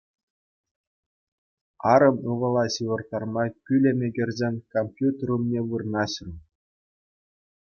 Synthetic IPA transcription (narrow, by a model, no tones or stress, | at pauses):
ɑɾɤ̆mɯʋɤ̆lˠɑɕiʋɤ̆rt̪ːɑrmɑkʲylʲemʲeɡʲĕrʲzʲenʲkomʲpʲjut̪ʲerumnʲeʋɯrnɑɕ̆r